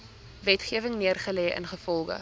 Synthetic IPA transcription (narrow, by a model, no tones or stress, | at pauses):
vɛtχiəvəŋniərχəlɛjə̰nχəfɔlˠχə̰